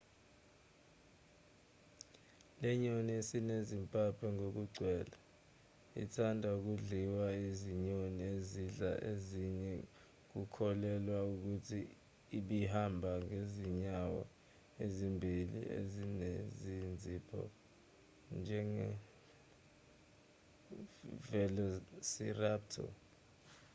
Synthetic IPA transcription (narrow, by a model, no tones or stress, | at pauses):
lɛɲoniesinezimpʼapʰɛŋok̬uɡ͡ǀʱwɛːla | ḭtʰandʱauk̬uɮiwaiziɲonieziɮa̰ʔeziɲɛ | k̬ukʰɔlɛlwauk̬utʰiː | ɓihambʱaŋeziɲawa̰ | ezimbʱilḭḛzinezind͡zʱipʰɔ̰ | nd͡ʒʱɛŋɛ | vɛlosirap̚tʰɔ̰